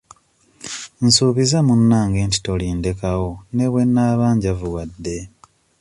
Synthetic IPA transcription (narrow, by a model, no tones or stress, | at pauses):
nsuːβizamunːaːŋɡe̞ːnti̥to̞liːnde̞kawo̞ne̞βwe̞nːaːβaːɲɟavuwadːe̞